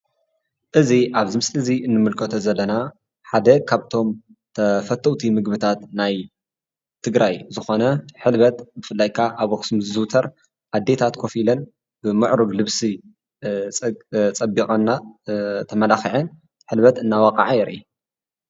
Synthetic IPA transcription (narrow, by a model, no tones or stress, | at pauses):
ʔɨziʔaβzɨmɨslɨziʔɨnːɨmɨlkʰɐt̪ʰozɐlːɐna | ħad̪ɐkʰaβt̪ʰo̞m | t̪ʰɐfɐt̪ʰːɐwt̪ʰimɨɡbɨt̪ʰat̪naj | t̪ʰɨɡɾajzɨxo̞nɐħɨlβɐt̪bɨfɨlːajkʰaʔaβɐxsɨmzɨzɨwt̪ʰɐɾ | ʔad̪ːe̞t̪ʰat̪kʰo̞filɐn | b̥ɨmɨʕɾɨɡlɨβsi | t͡sʼɐbːikʼɐnːat̪ʰɐmɐlaxiʕɨn | ħɨlbɐt̪ɨnːawakʼa̰ʕajɛɾʔḭ